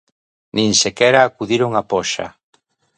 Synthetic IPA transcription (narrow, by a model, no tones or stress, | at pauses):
nĩnsekɛɾaːkuðiɾoŋapɔʃa̰